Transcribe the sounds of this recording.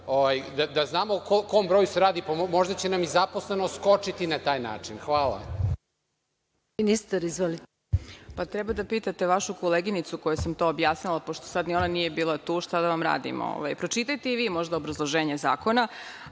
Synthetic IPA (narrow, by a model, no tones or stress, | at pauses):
oʋajd̪ad̪aznaːmokokombɾojuseɾaːd̪ipamoʒd̪at͡ɕenamizaposlenoskot͡ʂit̪inat̪aːjna̰ːt͡ʂinxʋaːlˠa̰ | inist̪aɾizʋoli | pat̪ɾɛbad̪apiːt̪at̪e̞ʋaʃukoleɡinit̪suko̞jusamt̪o̞ːbjaːsnilˠapoʃt̪o̥sad̪nio̞nanije̞biːlˠat̪uːʃt̪ad̪aʋamɾa̰ːd̪ḭmo̰o̰ʋa̰jpɾo̞t͡ʃit̪ajt̪e̞iʋiːmo̞ʒd̪aobɾazlˠoʒeːɲeza̰ːko̞na